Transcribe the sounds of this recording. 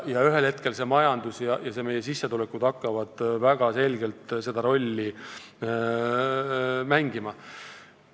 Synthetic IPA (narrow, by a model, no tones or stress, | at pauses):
jɑyɦe̞lhet̪̚ke̞lse̞mɑjɑnd̪usjɑjɑse̞me̞je̞sisːet̪ule̞kːud̪ɑkːɑvɑd̪̥væɡ̥ɑse̞lɡe̞lt̪se̞d̪̥ɑɾo̞lʲːi | mæŋɡimɑ